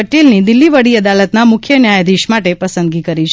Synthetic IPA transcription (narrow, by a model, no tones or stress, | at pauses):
əʈelnid̪ɪlːiʋəɽiəd̪alət̪namʊkʰjənjajd̪iʃmaʈepəsənd̪ɡikəɾit͡ʃʰ